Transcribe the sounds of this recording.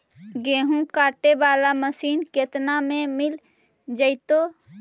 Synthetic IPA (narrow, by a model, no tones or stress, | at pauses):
ɡeːɦũkaːʈebaːlaməsiːnkeːt̪namẽmɪl | d͡ʒəɪt̪oː